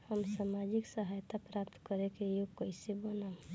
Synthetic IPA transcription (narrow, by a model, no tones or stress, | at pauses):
həmsamad͡ʒiksəɦajt̪ʰapɾapt̪kəɾekejokəisebəna